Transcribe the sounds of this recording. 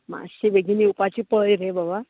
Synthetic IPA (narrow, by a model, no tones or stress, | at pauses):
ma̰ɕibeɡiniupat͡ɕipəjɾebaba